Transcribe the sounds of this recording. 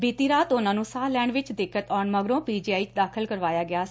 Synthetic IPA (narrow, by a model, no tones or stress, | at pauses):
biːt̪iːɾaːt̪ʊnãːnũːsaːlɛːɳɖʋɪt͡ʃd̪ɪkːət̪ɔːɳməɡɾõːpiːd͡ʒiːaːiːt͡ʃd̪aːkʰəlkəɾʋaːjaːɡɪaː